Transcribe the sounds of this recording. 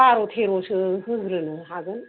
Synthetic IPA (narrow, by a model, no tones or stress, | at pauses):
aɾot̪ʰeɾosɯɦɯɡɾɯnɯɦaɡɯn